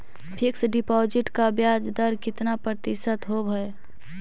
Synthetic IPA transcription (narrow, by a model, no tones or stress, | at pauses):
pʰɪksɖɪpɔːd͡ʒɪʈkabjaːd͡ʒd̪əɾkɪt̪napɾət̪ɪʃət̪ɦobʱəe